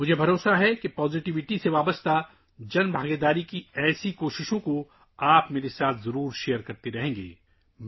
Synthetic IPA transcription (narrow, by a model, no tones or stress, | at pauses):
mʊd͡ʒʱebʱɐɾoːsaɦɛkepɔːzɪʈɪʋɪʈiseʋaːbəst̪a | d͡ʒɐnbʱaːɡed̪aːɾikiɛːsikoːʃɪʃõko | aːpmeːɾesaːt̪ʰzɐɾuːɾʃejəɾkɐɾt̪eɾɐɦẽːŋɡḛː